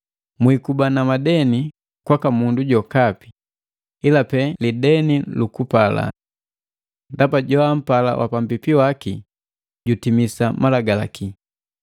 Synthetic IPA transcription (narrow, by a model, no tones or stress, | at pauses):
mwikubanamadɛni | kwakamunduɟɔkapi̥ | ilapɛlidɛnilukupala̰ | ndapaɟɔam̩pala̰wʔa̰pam̩bipiwaki | ɟutimisamalaɡala̰ki